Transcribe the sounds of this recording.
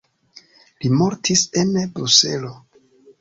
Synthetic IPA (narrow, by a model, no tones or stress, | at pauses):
limo̞ɾtʰise̞nbɾuse̞̰lo̞